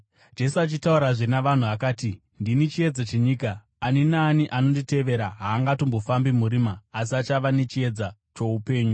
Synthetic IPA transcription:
d͡ʒe̞suat͡ʃitauɾaʐinaʋan̤uakaːti | ndinit͡ʃie̞d͡zat͡ʃe̞ɲiːkaː | ninaːniʔano̞ndite̞ʋe̞ɾaɦaːŋɡatombo̞fambimuɾiːmaːsiat͡ʃaʋanet͡ʃie̞d͡za | t͡ʃo̞upe̞ːɲu

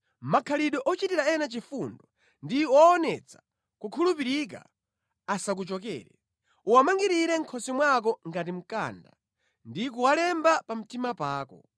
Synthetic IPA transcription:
makʰaliɗɔʔɔt͡ʃitiɾaɛnat͡ʃifundɔ | ndiɔːnɛt͡sḁ | kukʰulupiɾik̬a̰ | asak̬ut͡ʃɔk̬ɛ̰ːɾɛ | uwamaŋɡiɾiɾɛŋ̩kʰɔsimwak̬ɔŋɡat̬im̩ka̰nda | ndik̬uwalɛmbapam̩timapaːkɔ̰

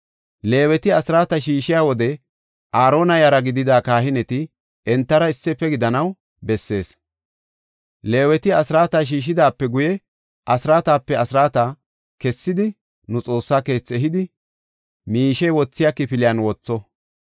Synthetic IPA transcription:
le̞ːwɛt̪ɪɐsɪɾaːt̪ɐʃiːʃɪjaːwɔd̪ɛ | ʔaːɾo̞ːnɐjɐɾɐɡɪd̪ɪd̪aːkaːhɪnɛt̪ɪ | ɛnt̪ːɐɾɐɪsːɛpːɛɡɪd̪ɐnɐw | bɛsːe̞ːs | le̞ːwɛt̪ɪɐsɾaːt̪aːʃ̬iːʃ̬ɪd̪aːpːɛɡʊjɛ | ʔɐsɪɾaːt̪aːpːɛɐsɾaːt̪a | kɛsːɪd̪ɪ | nʊt͡sʼo̞ːsːaːke̞ːt͡sːɛɦɪd̪ɪ | miːʃɛjwɔt͡sːɪjakːɪpɪlɪjɐnwɔt͡sːɔ

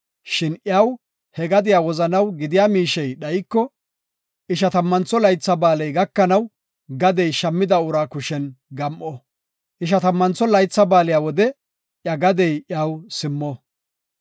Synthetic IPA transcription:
ʃɪnʔjaːw | hɛɡɐd̪ɪjaːwɔzɐnɐwɡɪd̪ɪjaːmiːʃɛjɗɐjkːɔ | ʔɪʃ̬ɐt̪ɐmːɐnt͡sːɔlɐjt͡sːɐbaːlɛjɡɐkːɐnɐw | ɡɐd̪ɛjʃɐmːɪd̪ɐʊɾaːkʊʃɛnɡɐmʔɔ | ʔɪʃ̬ɐt̪ɐmːɐnt͡sːɔlɐjt͡sːɐbaːlɪjaːwɔd̪ɛ | ʔjɐɡɐd̪ɛjʔjaːwsɪmːɔ

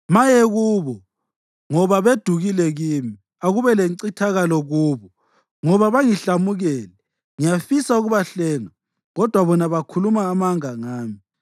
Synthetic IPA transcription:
majeɣuːβɔ | ŋɔβaβed̥ʱuɣilɛɣimi | aɣuβɛleǀitʰaɣalɔɣuːβɔ | ŋɔβaβaŋiɬamuɣɛːlɛ | ŋijafisauɣuβaɬɛːnɔ | ɣɔd̥ʱwaβɔnaβakʰulumaːmaŋaŋaːmi

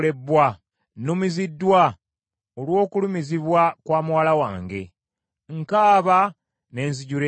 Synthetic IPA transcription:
le̞bːwa | numizidːwa | olwo̞ːkulumiziβwakwaːmuwaːlawaːŋɡe̞̰ | ŋkaːβa | ne̞ːnziɟuɾe

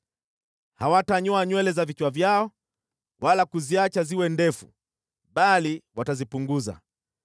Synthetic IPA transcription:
hawataɲɔaɲwɛlɛzavit͡ʃwavjaɔ | walakuziat͡ʃaziwɛndɛfṵ | ɓaliwatazipuŋɡuza̰

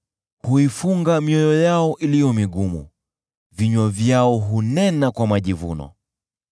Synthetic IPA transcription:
huifuŋɡamiɔjɔjaɔʔilijɔmiɠumṵ | viɲwavjaɔɦunɛnakwamaʄivṵnɔ̰

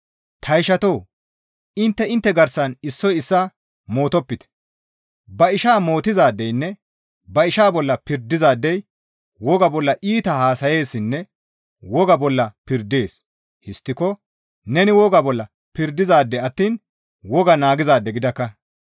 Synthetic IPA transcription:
t̪ʰɐjʃɐt̪oː | ɪnt̪ːɛɪnt̪ːɛɡɐɾsɐnɪsːɔjɪsːa | mo̞ːt̪ɔpːɪt̪ɛ̥ | bɐɪʃaːmo̞ːt̪ɪzaːd̪ːɛjnːɛ | bɐɪʃaːbɔlːɐpɪɾd̪ɪzaːd̪ːɛj | wɔɡɐbɔlːɐʔiːt̪ɐhaːsɐje̞ːsːɪnːɛ | wɔɡɐbɔlːɐpɪɾd̪e̞ːs | hɪst̪ːɪkɔ | nɛnɪwɔɡɐbɔlːɐ | pɪɾd̪ɪzaːd̪ːɛɐt̪ːiːn | wɔɡɐnaːɡɪzaːd̪ːɛɡɪd̪ɐkːɐ

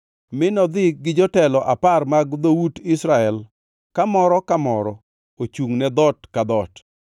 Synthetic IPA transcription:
mɪnɔd̪ɪɡɪd͡ʒɔtɛlɔʔaparmaɡd̪owudɪsɾaɛl | kamɔɾɔkamɔɾɔ | ot͡ʃuŋnɛd̪ɔtkad̪ɔt

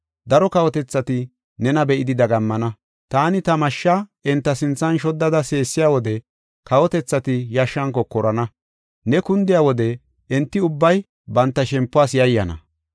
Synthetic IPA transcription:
d̪ɐɾɔkɐwɔt̪ɛt͡sːɐt̪ɪ | nɛnɐbɛʔɪd̪ɪd̪ɐɡɐmːɐnɐ | t̪aːnɪt̪ɐmɐʃːaʔɛnt̪ːɐsɪnt͡sːɐnʃɔd̪ːɐd̪ɐse̞ːsːɪjaːwɔd̪ɛ | kɐwɔt̪ɛt͡sːɐt̪ɪjɐʃːɐŋkɔkɔɾɐnɐ | nɛkʊnd̪ɪjaːwɔd̪ɛ | ɛnt̪ːɪʊbːɐj | bɐnt̪ːɐʃɛmpːʊwaːsjɐjːɐnɐ̰

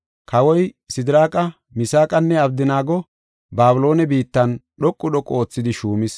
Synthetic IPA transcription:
kɐwɔj | sɪd̪ɪɾaːkʼɐ | mɪsaːkʼɐnːɛɐbd̪ɪnaːɡɔ | baːbʊlo̞ːnɛbiːt̪ːɐnɗɔkʼːʊɗɔkʼːoːt͡sːɪd̪ɪʃuːmɪs

